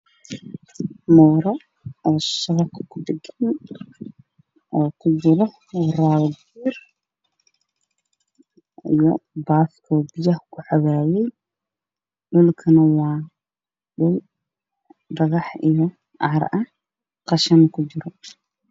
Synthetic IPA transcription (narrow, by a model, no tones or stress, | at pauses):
mɔːɾɔ | ɔːsɐɣɐkʰɐ̥kʰʊd̪ɛɡɐn | ʔɔːkʰʊd͡ʒɪɾɔ | raːwɡ | iːr | ijɔbaːfkʰɔːbɪjɐhkʰʊħɑwaːjɛj | ɖʊlkʰɐnɐwɑː | ɗʊl | dɐɣɑħijɔ | ʔɑɾɐh | qɑʃɐnɐkʰʊd͡ʒɪɾɔ